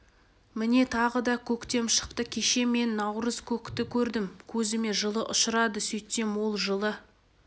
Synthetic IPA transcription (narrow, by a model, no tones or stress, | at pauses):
mɪne̞t̪ʰɑʁəd̪ɑkʲʰɵkt̪e̞mʃə̥q̚t̪əkʲʰe̞ʃe̞me̞nːɑwɾəz̥kʲʰɵkt̪ɪkʲʰɵɾd̪ɪmkʲʰɵzɪme̞ʒəlˠəʔʊʃəɾɑd̪əsɵjt̪ːe̞mwo̞lˠʒəlˠə